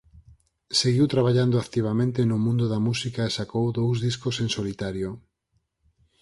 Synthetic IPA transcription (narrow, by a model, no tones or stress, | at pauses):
seɣiwt̪ɾaβ̞aʎand̪ʊakt̪iβ̞amẽnt̪enʊmũnd̪ʊðamusikaesakowðowzðiskosensolit̪aɾjo